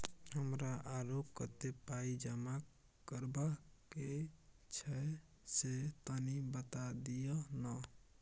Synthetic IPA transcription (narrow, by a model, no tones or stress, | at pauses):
ɦəmɾaʔaɾop̚kət̪epaid͡ʒəma | kəɾbake | t͡ʃʰɛ | set̪ənibət̪ad̪ijənɔ